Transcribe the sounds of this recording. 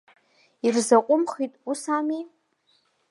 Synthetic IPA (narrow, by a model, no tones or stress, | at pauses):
irzaqʷʼʊmχitʼusami